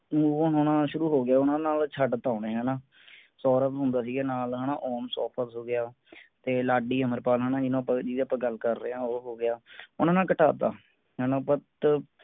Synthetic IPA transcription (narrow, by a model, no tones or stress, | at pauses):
nuːonoːnãːʃʊɾuːɦoːɡɪjaːʊnãːnaːlt͡ʃʰəɖt̪aːneːɦɛːnãː | sɔːɾət̪ɦʊ̃nd̪aːs̬iːɡeːnaːlɦɛːnãːʔɔːmsɔːpʰət̪ɦoːɡɪjaː | t̪eːlaːɖiːəməɾpaːlɦɛːnãːd͡ʒɪnõːpad͡ʒiːd̪əpãːɡəlkəɾːeãːoɦoːɡɪjaːʊnãːnaːkəʈa̰ːt̪a̰ː | ɦɛːnãːpət̪